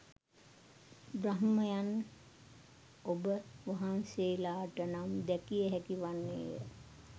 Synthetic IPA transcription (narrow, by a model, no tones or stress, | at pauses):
bɾaɦməjan | obəʋaɦanseːlaːʈənamd̪ɛkijəɦɛkiʋanːḛːjə̰